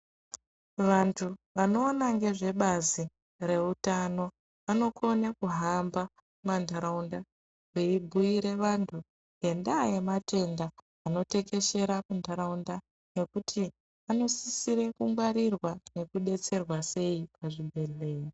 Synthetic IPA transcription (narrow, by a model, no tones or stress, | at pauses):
ʋantʰuʋano̞ːnaŋɡe̞ʐe̞ɓazi | re̞utano̞ | ʋano̞kʰo̞nekuɦamba | mandʱaɾaunda | weibʱuiɾe̞ʋantʰu | je̞ndajemate̞ndaː | no̞te̞ke̞ʃe̞ɾamundʱaɾaunda | ne̞kutʰi | ano̞sisiɾe̞kuŋɡwaɾirwane̞kuɗe̞t͡se̞rwase̞ip̚ʰaʐiɓʱe̞le̞ːi